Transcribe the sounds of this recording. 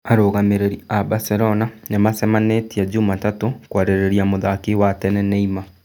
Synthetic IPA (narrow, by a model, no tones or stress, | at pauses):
aɾoːɣameɾeɾiabaseɾɔnanemasɛmanetiad͡ʒumatatokwaɾeɾeɾiamoðakewatɛnɛneima